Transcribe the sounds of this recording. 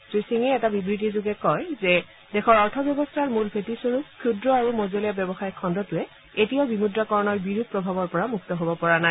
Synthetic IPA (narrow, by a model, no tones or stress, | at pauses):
tisiŋɛɛtabibɹit̬izuɡɛkɔjzɛ | dɛxʰɔɹɔɹtʰɔbjɔbɔstʰaɹmulpʰetisoɹupkʰːjudɹɔaɹumɔzelijabjɔbɔxajkʰɔndɔtʊɛ | etiɔbimudɹɔkɔɹɔnɔɹbiɹud̪̚ʱpɹɔbʱabɔɹpɔɹamuktɔɦobɔpɔɹana